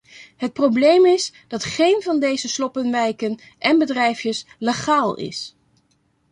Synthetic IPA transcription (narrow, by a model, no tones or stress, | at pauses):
ɦət̚problejmɪsd̥ɑtχejnvɑndejzəslɔpənʋɛjkən | ʔɛnbədrɛjfjəsleχaːlˠɪ̰s